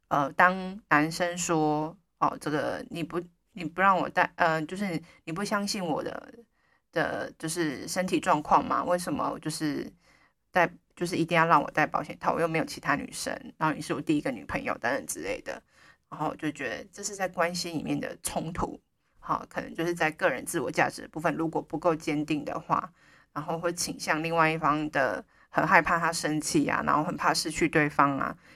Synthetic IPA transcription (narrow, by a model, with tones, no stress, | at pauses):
ə˧t̪ɑ˥ŋna˧˦nʂə˥nʂwɔ˥ | ɔ̰˨˩ʈ͡ʂɤ˥˩ɡə̰˩ni˨˩pu˧˥ | ni˨˩pu˧ɻɑ˥˩ŋwɔ̰˨˩t̪a˥˩ɪʔə˧t͡ɕjo˥˧ʊʂ̬ɻ̩˥˩ni˨˩p̬u˥˩ɕjɑ˥ŋɕi˥˩nwɔ̰˨˩d̪ə̰˧˩ | d̪̥ə̰˨t͡ɕjo˥˧ʊʂɻ̩˥˩˧ʂə˥nt̪ʰi˨˩ʈ͡ʂwɑ˥˧ŋkʰwɑ˥˩ŋma̰˨˩we˥˩ɪʂə˨˩nmə̰˦wɔ̰˨˩t͡ɕjo˥˧ʊʂɻ̩˥˧ | t̪a˥˧ɪt͡ɕjo˥˧ʊʂɻ̩˥˩i˧˥t̪i˥˧ŋjɑ˥˧ʊɻɑ˥˩ŋwɔ̰˨˩t̪a˥˩ɪpɑ˨˥ʊɕjɛ˨˩nt̪ʰa˥˩wɔ˨˩jme˧˥ɪjo˨˩ʊt͡ɕʰi˧t̪ʰa˥ny̰˨˩ʂə̰˥ŋɻa˧˦˥xo˥˩ni˨˩ʂɻ̩˥˩wɔ˨˩t̪i˥˩i˧˥ɡə˨ny̰˨˩pʰə˧˥ŋjo̰˨˧ʊt̪a˥nɻə˨˩nʈ͡ʂɻ̩˥le˥˩ɪd̪ə̰˩ | ɻa˧˥nxo˥˩wɔ̰˨˩t͡ɕjo˥˩t͡ɕɥɛ˧˥d̪ə̰˧ʈ͡ʂɤ˥˧ʂɻ̩˥˧t͡sa˥˩ɪkwa˦nɕi˦nlḭ˨˩mjɛ˥˩nd̪ə̰˩ʈ͡ʂʰʊ˥ŋt̪ʰṵ˧˦ | hɑ̰˨˩kʰɤ˨˩nə̰˧˦ŋt͡ɕjo˥˧ʊʂɻ̩˥˧t͡sa˥˧ɪkɤ˥˩ɻə˧˦nt͡sɹ̩˥˩wɔ̰˨˩t͡ɕja̰˥˩ʈ͡ʂɻ̩˨˩d̪ə̰˦˩pu˥˩fə˨nɻu˧˥kwɔ˨˩pu˨˧˥ko˥˩ʊt͡ɕjɛ˥nt̪i˥˩ŋd̪ə̰˩xwa̰˥˩ | na˧˥nxo˥˧ʊxwt͡ɕʰi˨˩ŋɕjɑ˥˧ŋli˥˧ŋwa˥˧ɪi˥˩fɑ˥ŋd̪ə˨ | xə˨˩nxa˥˧ɪpʰa˥˧t̪ʰa˥ʂə˥ŋt͡ɕʰi˥˩a̰˩na̰˧˥nxo˥˩ʊxə˨˩npʰa˥˧ʂɻ̩˥˧t͡ɕʰy˥˧t̪we˥˩ɪfɑ˥ŋa̰˨